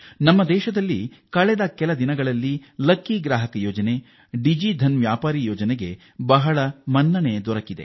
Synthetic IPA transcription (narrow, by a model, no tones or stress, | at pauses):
nɐmːɐd̪ɛːʃɐd̪ɐlːikɐɭɛd̪ɐkɛlɐd̪inɐɡɐɭɐlːilɐkːiɡɾaːɦɐkɐjɔːd͡ʒɐne̞ | ɖid͡ʒid̪ʱɐnʋjaːpaːɾijɔːd͡ʒɐneɡe̞ | bɐɦɐɭɐmɐnːɐneːd̪ɔɾɐkid̪e̞̰